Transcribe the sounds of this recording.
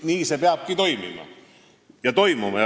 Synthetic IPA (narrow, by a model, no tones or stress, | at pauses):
niːse̞peɑb̥̚kit̪o̞jmḭmɑ̰ | jɑt̪o̞jmumɑ